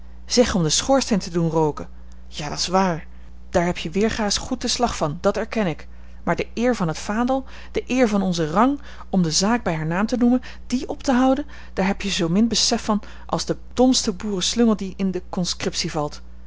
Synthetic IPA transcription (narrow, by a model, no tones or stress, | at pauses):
z̥ɛχɔmdəsχʊːɹstejntədunrowkə | jaːdɑtɪsʋaːɹ | d̥aːɹɦɛpʰjəʋɪːɹχaːsχut̚əslɑχfɑndɑtɛɹkɛnɪk | maːɹdəɪːɹvɑnɦətfaːdəlˠ | d̥əʔɪːɹvɑnɔnzərɑŋ | ɔmdəzaːɡ̚bɛjɦaːɹnaːmtənumən | d̥iʔɔptəɦʌwdən | d̥aːɹɦɛpjəzowmɪnbəsɛfɑn | ʔɑ̰lˠzdəd̥ɔmstəbuːrəslɵŋəlˠdiɪndəkɔnskrɪpsivɑlˠt